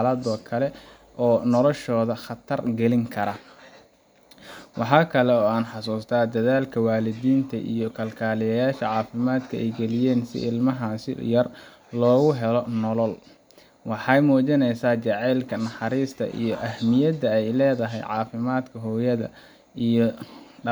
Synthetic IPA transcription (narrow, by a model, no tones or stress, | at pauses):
lɐd̪ɔkʰɐlɛ | ʔɔːnɔlɔʃɔːðɐχɑt̪ʰɐrɡɛlɪŋkʰɐɾɐ | wʔɑħɑːkʰɐlɛɔːaːnħɑsuːst̪ʰaːd̪ɐðaːlkʰɐwaːlɪðiːnt̪ʰɐʔḭjɞkʰɐlkʰaːlɪjɐjaːʃɐʕɑːfɪmaːd̪kʰɐʔɛ̰jɡɛlɪjɛːnsɪ̰ʔɪlmɐɦaːsɪ̰jɐr | lɔːɣʊɦɛlɔnɔlɔl | wɑħɑjmuːt͡ʃɪnɛjsaːt͡ʃɑʕɛːlkʰɐnɑħɑɾiːst̪ʰɐ̰ʔḭjɞʔɐhmɪjɐd̪ɐɛjlɛːðɐɦɛ̰jʕɑːfɪmaːd̪kʰɐɦɔːjɐðɐ̰ | ijɔ